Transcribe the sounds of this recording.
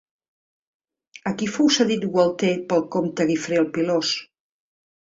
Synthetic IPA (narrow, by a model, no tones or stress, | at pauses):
əkifowsaðit̪ɣwəlˠt̪epəlˠkomt̪əɣifɾeəlˠpilos